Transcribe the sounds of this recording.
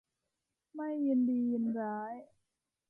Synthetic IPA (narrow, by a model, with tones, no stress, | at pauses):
ma˥˩jːi˧ndiː˧ji˧nɾaː˦˥j